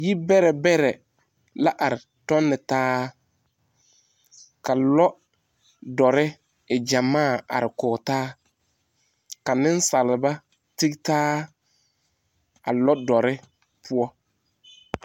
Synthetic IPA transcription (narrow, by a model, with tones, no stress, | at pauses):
ji˦bɛ˦ɾɛ˨bɛ˦ɾɛ˨ | la˦ʔa˨ɾɪ˨ | tɔ˦nːɪ˨taː˦ | ka˨lɔ˦ | dɔ˨ɾɪ˦ | ɪ˨d͡ʒa˨maː˦˨a̰˨ɾɪ˨kɔː˨taː˦ | ka˨nɪ̃˦n˦sa˨lɪ˨ba˦ | ti˦ktaː˦ | a̰˨lɔ˦dɔ˨ɾɪ˦ | pʰʊ˦ɔ˦